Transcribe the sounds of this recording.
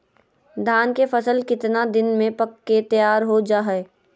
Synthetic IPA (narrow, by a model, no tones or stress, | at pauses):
d̪ʱaːnkefəsəlkɪt̪nad̪ɪnmẽpɐkːet̪əjaːɾɦod͡ʒaːɦeː